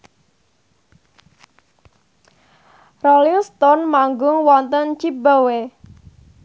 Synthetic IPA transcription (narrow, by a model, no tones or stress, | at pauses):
rɔliŋst̪ɔnmaŋɡʊŋwɔnt̪ənt͡ʃibawe